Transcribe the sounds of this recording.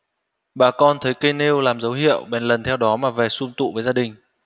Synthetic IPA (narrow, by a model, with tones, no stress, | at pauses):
ɓaː˨˩kɔ˧nt̪ʰə˨˦jkə˧jne˧wlaː˨˩mzə˨˦wɦḭ˧˨əwɓɛ˨˩nlə˨˩nt̪ʰɛ˧wɗɔ˨˦maː˨˩vɛ˨˩sʊ˧ŋ͡mt̪ṵ˧˨vəː˨˦zaː˧ɗï˨˩ŋ̟